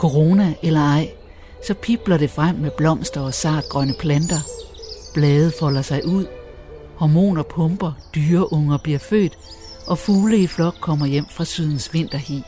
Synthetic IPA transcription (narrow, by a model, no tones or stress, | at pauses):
kʰo̝ʁo̝næʔelɐɑ̈ɪ̰ | sɒ̽pʰib̥lɐɾe̝fʁam̰ːeb̥lɒ̽m̰sd̥ɐɒ̽sɑ̰̈ːd̥̚ɡ̥ʁɶnəpʰlænd̥ɐb̥lɛːð̩ˠfɒ̽l̰ɐsɑ̈ɪʔuð̰ˠ | hɒmo̝̰ːnɒpʰɔ̽mb̥ɐd̥yːɐʔɔ̽ŋɐb̥liɐfø̰ːd̥ | ʔɒ̽fuːləiflɒ̽ɡ̥kʰɒ̽m̰ɐjem̰fʁɑ̈syð̰ˠn̩sʋe̝n̰d̥ɐhḭ